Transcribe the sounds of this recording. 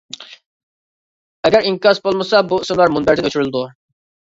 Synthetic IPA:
ɛɡʲæɾiŋkʲjɑsbolˠmɨsɑbuismlˠɑɾmunbæɾt̪ʰɪŋʲøt͡ʃʰyɾylˠd̪u

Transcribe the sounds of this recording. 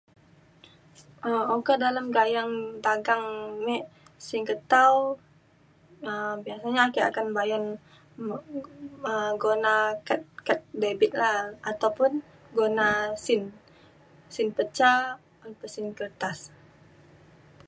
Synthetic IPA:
əmokadalamɡajaŋdaɡaŋnisiŋkət̪aw | əbiasaɲaːkaa̰kanbajan | əɡonakat̪̚kat̪̚debɪt̪̚laat̪awpʊn | ɡonasɪn | sɪnpət͡ʃa | ɔnpəsɪnkərt̪as

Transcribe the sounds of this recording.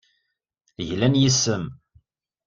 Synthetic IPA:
ʝlænjisːəm

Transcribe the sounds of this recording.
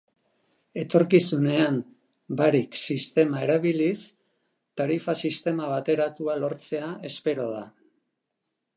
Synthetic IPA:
e̞t̪o̞ɾkisune̞am | baɾiksist̪e̞mae̞ɾaβilis | t̪aɾifasist̪e̞maβat̪e̞ɾat̪ualo̞ɾt͡se̞ae̞spe̞ɾo̞ð̞a̰

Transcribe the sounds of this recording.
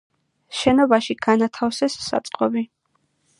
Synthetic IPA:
ʃɛnɔbaʃiɡ̥anat̪ʰafsɛsːa̰t̪sʼqʼɔbi

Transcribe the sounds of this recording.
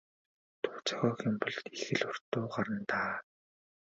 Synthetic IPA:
t̪ʰʊ̥ːt͡sʰœ̥ɣʲɔːxʊmpɞ̆ɮt̪ixɘ̆ɮʊr̥t̪ːʊːɢaɾə̆nt̪aː

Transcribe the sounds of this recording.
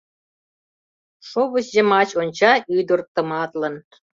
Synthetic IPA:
ʃoβə̆ɕʑemɑt͡ɕonʲt͡ɕɑyd̪ə̆rt̪ə̆mɑt̪lən

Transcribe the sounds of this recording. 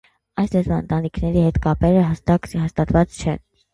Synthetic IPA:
ɑjslɛzvɑə̰nt̪ɑnikʰnɛɾihɛt̪kɑpɛɾəɦɑst̪ɑkhɑst̪ɑt̪vɑt͡st͡ʃʰɛ̰n

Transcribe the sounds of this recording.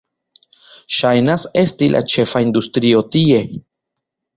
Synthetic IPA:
ʃajnase̞stilʔa̰t͡ʃe̞faind̪ustɾio̞tie̞

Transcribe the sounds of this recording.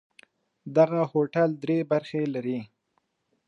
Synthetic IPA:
d̪aɣahoʈald̪ɾebaɾxelaɾi

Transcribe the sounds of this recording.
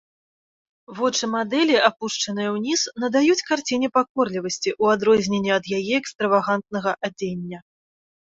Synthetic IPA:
vɔt͡ʂɨmad̪ɛlʲiapuʂt͡ʂɐnɨjɐwnʲisnɐd̪ajut͡sʲkart͡sʲinʲɛpakɔrlʲivɐsʲt͡sʲiʔuad̪ɾɔzʲnʲenʲːɛɐd̪jajɛɛkst̪ɾɐvaɣant̪̚nɐɣɐʔad͡zʲenʲːɐ

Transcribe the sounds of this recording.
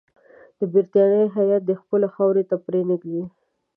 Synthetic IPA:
d̪̥əbɪɾt̪jɑɽəjɦajat̪̚d̪əxpəlaxawɾet̪apɾenɪɡd̪i

